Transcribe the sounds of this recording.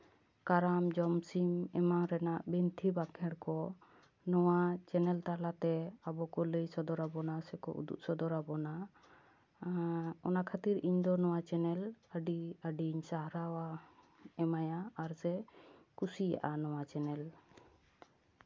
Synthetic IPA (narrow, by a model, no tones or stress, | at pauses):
kaɾamd͡ʒɔmsimɛmaŋɾɛnaʔbint̪ʰibakʰɛɽkɔ | nɔwat͡ʃɛnɛlt̪alat̪ɛabɔkɔləjsɔd̪ɔɾabɔnasɛkɔ̰ʔṵd̪ṵʔsɔd̪ɔɾabɔna | ɔnakʰat̪iɾiɲd̪ɔnɔwat͡ʃɛnɛləɖiəɖiɲsaɦɾawa | ɛmajaːɾsɛkusija̰ʔanɔwat͡ʃɛnɛl